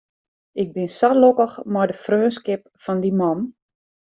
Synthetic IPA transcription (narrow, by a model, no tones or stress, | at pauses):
ɪk̚bɪnsalokəxmɔjdəfrøːnskɪp̚fɔndimɔm